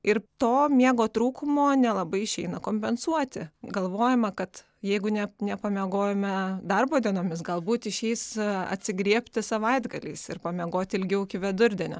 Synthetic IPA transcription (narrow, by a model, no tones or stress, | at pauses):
ɪrt̪oːmʲiɛɡoːt̪ɾuːkʊmoːnʲɛlˠɐbɐɪɪʃʲɛɪnɐkoːmʲpʲɛnsuɔt̪ʲɪɡɐlˠʋoːjɛmɐkɐt̪ | jɛɪɡʊnʲɛnʲɛpɐmʲɛɡoːjɛmʲɛd̪ɐrboːd̪ʲiɛnoːmʲɪs̬ɡɐlˠbuːt̪ɪʃʲɛɪsɐ̰t̪ʲsʲɪɡɾʲiɛpʲt̪ʲɪsɐʋɐɪd̪ɡɐlʲɛɪsɪrpɐmʲɛɡoːt̪ʲɪlʲɡʲɛʊɪkʲɪʋʲɛd̪ʊɾʲd̪ʲɛnʲo̰